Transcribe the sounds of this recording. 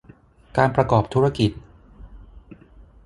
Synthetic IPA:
kaː˧npɾa˧kɔː˨˩p̚t̪ʰu˦˥ɾa˧ki˨˩t̪̚

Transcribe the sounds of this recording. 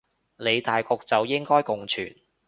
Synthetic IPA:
le˨˧jt̪aː˨jkɔː˧k̚t͡sɐ˨wjɪ˥ŋkɔː˥jkʊ˨ŋt͡ʃʰy̰ː˨˩n

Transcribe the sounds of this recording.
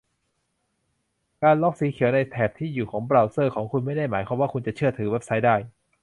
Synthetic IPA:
kaː˧nlɔː˦˥˩k̚siː˩˦kʰi˨˩˦əwna˧jt̪ʰɛː˨˩p̚t̪ʰiː˥˩juː˨˩kʰɔː˩˦ŋbɾa˧wsɤː˥˩kʰɔː˩˦ŋkʰu˧nma˥˩jda˥˩jmaː˩˦jkʰwaː˧mwaː˥˩ku˧nt͡ɕa˨˩t͡ɕʰɯ˥˩ɐt̪ʰɯː˩˦we˦˥p̚sa˦˥jdaː˥˩j

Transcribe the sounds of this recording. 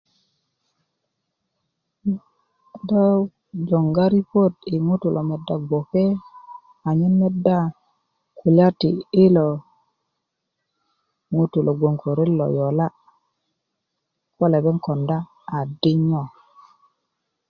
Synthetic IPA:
do˦ | d͡ʒo˨ŋɡa˦ɾi˦po˦˨ti˨ŋu˦tu˨lʔo˨me˨da˨ɡʷo˨ke˦ | a˨ɲi˦nme˦da˦ | ku˨la˦tiː˨˦lo˨ | ŋu˦tu˨lo˨ɡʷo˨ŋko˨ɾe˦lo̰˨jo˨la˦ | ko˦le˨be˦ŋko˨ndaː˦˨ | di˦ɲo˨

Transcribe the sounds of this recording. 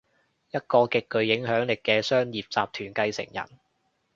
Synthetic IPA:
jɐ˥t̚kɔː˧kɪ˨kːɵ˨˧ɥjɪ˨˥ŋɦœː˨˥ŋlɪ˨kːɛː˧sœː˥ŋjiː˨p̚t͡saː˨p̚t̪ʰyː˨˩nkɐ˧jsɪ̰˨˩ŋjɐ̰˨˩n

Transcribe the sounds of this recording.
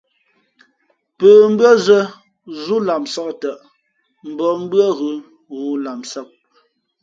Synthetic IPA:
pəː˨m̩˦bɰə˦zə˦ | zu˦la˨msa˦ktə˨ʔ | m̩˨bɔ˨m̩˦bɰə˦ɣʉ˨ | ɣu˨˦la˨msa˦˨p̚

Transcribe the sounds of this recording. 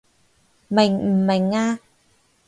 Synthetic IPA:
ma˨˩jm̩˨˩ma˨˩ŋaː˦˥

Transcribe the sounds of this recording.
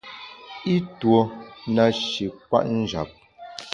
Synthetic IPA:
i˦two˨na˨ʃi˨k̚wa̰˦ʔn̩˦d͡ʒa̰˨p̚

